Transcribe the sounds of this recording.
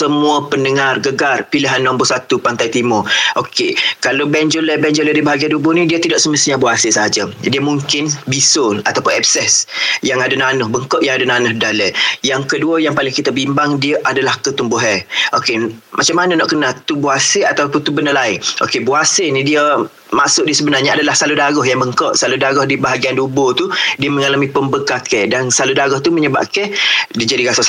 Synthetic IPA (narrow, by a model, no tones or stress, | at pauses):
səmũəpəndəŋarɡəɡarpiliɦanːɔ̃mbʊsat̪upant̪ajt̪imʊʔokekalowbɛnd͡ʒoləbɛnd͡ʒolədibaɦaɡiandubʊhnidiət̪idɔʔsəməsiɲabuasəsəɦad͡ʒədiəmuŋkɪnbisʊlat̪apʊnɛp̚sɛsjaŋadananʊhbəŋkoʔjaŋadananʊhdaləjaŋkəduəjaŋpalɪŋkit̪abimbaŋdiəʔadalahkət̪umbʊɦəʔokemat͡ʃamːanənɔʔkənat̪ubuasəat̪awpnt̪ubənəlaɪŋʔo̰kebuasənidiə | maʔsʊʔdiəsəbənarɲəadalahsaludaɡɔɦjaŋbəŋkɔʔsaludaɡɔhdibaɦaɡiandubot̪udiəməŋalamĩpəmbəkakɛdansaludaɡɔht̪uməɲəba̰p̚kɛhdid͡ʒadiɡasas